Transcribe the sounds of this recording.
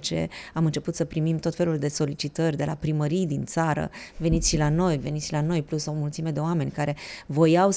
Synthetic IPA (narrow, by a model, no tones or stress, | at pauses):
t͡ʃe̞̰amɨnt͡ʃe̞put̪səpɾimimt̪o̞t̪fe̞luld̪e̞so̞lit͡ʃit̪ərʲd̪e̞la̰pɾiməɾijd̪int̪saɾə̰ve̞nit̪sʃilano̞jve̞nit̪ʃilano̞jplusomult̪sime̞d̪e̞oame̞nʲkaɾe̞vo̞jaw